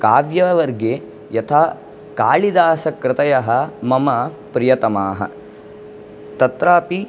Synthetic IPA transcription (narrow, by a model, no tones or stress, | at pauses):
kaːʋjɐʋɐɾɡe | jɐt̪ʰaː | kaːɭid̪aːsɐkɾɪt̪ɐjɐɦɐmɐmɐ | pɾɪjɐt̪ɐmaːɦɐ̰ | t̪ɐt̪ɾaːpi